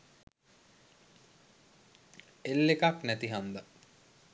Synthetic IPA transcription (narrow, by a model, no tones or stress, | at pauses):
elːekaknæt̪iɦand̪a